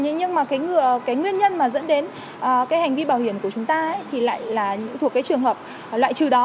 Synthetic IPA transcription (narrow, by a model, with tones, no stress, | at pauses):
ɲ˧ɲɨ˧ŋmaː˨˩kaː˨˦jŋɨ˧˩əkaː˨˦jŋwi˧ənɲə˧nmaː˨˩zə̰˧˥nɗe˨˦n | ʔːkaː˨˦jha˨˩jŋ̟vi˧ɓaː˧˩whi˧˩ənkət͡ɕʊ˨˦ŋ͡mt̪aː˧˦jt̪ʰi˨˩la̰ː˧˨jlaː˨˩ɲɨ̰˧˥ŋt̪ʰu˨˩əkːaː˨˦jt͡ɕɨ˨˩əŋɦəː˨˩p̚ | lwa̰ː˧˨jt͡ɕɨ˨˩ɗɔ˨˦